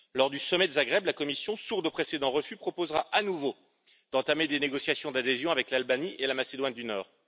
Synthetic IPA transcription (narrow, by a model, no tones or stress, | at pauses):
lɔʁd̪ysɔmɛd̪ezaɡʁɛblakɔmisjɔ̃suʁd̪opχesed̪ɑ̃ʁəfypχɔpozʁaʔanuvo | d̪̥ɑ̃t̪amed̪eneɡɔsjasjɔ̃d̪ad̪ezjɔ̃avɛklalbaniʔelamased̪wand̪ynɔːʁ